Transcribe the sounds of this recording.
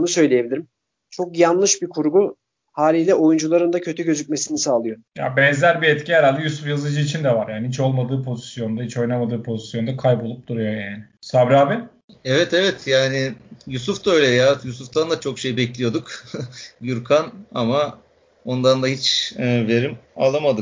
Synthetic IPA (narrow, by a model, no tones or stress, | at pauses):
onusø̞jlʲeje̞bilʲiɾim | t͡ʃʰo̞kjanlˠɯʃbikʰuɾɡu | haːlʲiːlʲɛo̞jund͡ʒulˠaɾɯnd̪acʰø̞t̪ʰyɟø̞zyc̚me̞sinisaːlˠɯjo̞ja̰bɛnzlʲæɾbiɛt̪ciɦɛɾalʲd̪ɛjusufjazɯd͡ʒɯit͡ʃʰind̪ɛvaɾjaːniɦit͡ʃo̞lˠmad̪ɯːpʰo̞zisjo̞nd̪aɦit͡ʃo̞jnamad̪ɯːpʰo̞zisjo̞nd̪akʰajbo̞lˠup̚d̪uɾujo̞jaːnɪsabɾaːbɪ | ɛvɛt̪evɛt̪ʰjaːnɪjus̬ufd̪aø̞jlʲɛjaːt̪jusuft̪ʰand̪at͡ʃʰo̞kʃejbɛclʲijo̞d̪uk | juɾkʰanama | o̞nd̪and̪aɦit͡ʃːve̞ɾima̰lˠamad̪ɯ